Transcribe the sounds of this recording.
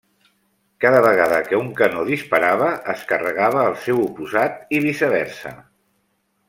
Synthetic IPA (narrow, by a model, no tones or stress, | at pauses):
kaðəβəɣ̞aðəkəuŋkənoðispəɾaβəʔːskərəɣ̞aβ̞əːlˠsewupuzat̪̚iβisəβɛɾsə̰